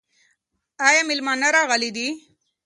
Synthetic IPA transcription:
ɑjɑmɪlmɑnaɾɑɣəlid̪i

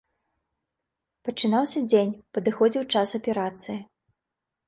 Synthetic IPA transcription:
pɐt͡ʂɨnawsʲɐd͡zʲenʲpɐd̪ɨxɔd͡zʲiwt͡ʂasɐpʲɛɾat̪sɨji

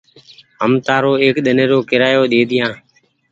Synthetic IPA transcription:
ɦəmt̪aːɾoːeːkɗ̪əneːɾoːkɪɾaːjoːɗ̪eːd̪ʱɪjãː

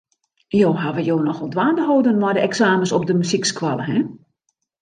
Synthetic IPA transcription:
joːɦaʋəjoːnɔxɔlˠdʋaːndəɦoːdənmɔjdəɛksaːməsɔpdəmysikskwaləɦɛ

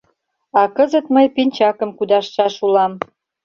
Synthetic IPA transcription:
ɑkəzət̪məjpinʲt͡ɕɑkə̆mkud̪ɑʃːɑʃulɑm

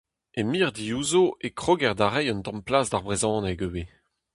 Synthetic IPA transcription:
emiːʁd̪iuːzoʔekχoːɡɛʁd̪aʁɛjɔ̃ntɑ̃mplaːsdaʁbʁezɑ̃ːnɛɡøwe

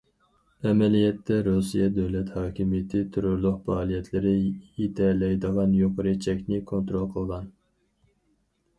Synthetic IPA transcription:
ɛmɛlijɛt̪ːɛɾusijɛd̪øwlɛt̪hɑːkʲʰimijɪt̪ʰɪt̪ʰyɾoɾlˠʊqpɑːlˠijɛt̪ʰlɪɾɪit̪ʰɛlɛjd̪əʁɑnjoqʰəɾɨt͡ʃʰɛkʲnɪkʰont̪ɾolˠqʰəlˠʁɑn

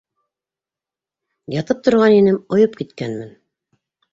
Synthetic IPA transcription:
jɑt̪ɤp̚t̪ŏɾʁɑninɘmŏjɤp̚kit̪kænmɘn

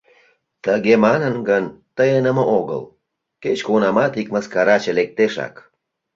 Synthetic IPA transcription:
t̪əɣemɑnənɡənt̪əjenəməʔoɣə̰l | ket͡ɕkunɑmɑt̪ikməskɑɾɑt͡ɕə̆lek̚t̪eʃɑ̰k

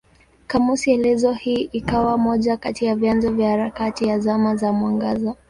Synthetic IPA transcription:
kamusiɛlɛzɔhiːʔikawamɔʄakatiavjanzɔvjahaɾakatijazamazamwaŋɡaza

